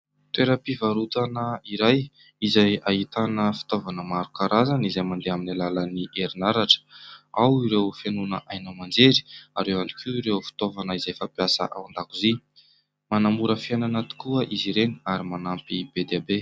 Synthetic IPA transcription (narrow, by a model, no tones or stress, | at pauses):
t̪eɾapivaɾut̪anəiɾaj | izajaɦit̪anəfi̥t̪ovanəmaɾukaɾazanizajmand̪eaminalaləniʔeɾinaɾaʈ͡ʂə̥awiɾewfenunəʔajnəmand͡zeɾi̥aɾewani̥kʰiiɾewfi̥t̪ovanəizajfapjasə̰ʔa̰wand̪akuzi | manamuɾəfiananat̪i̥kuəʔiziɾeniaɾimanampibed̪eabe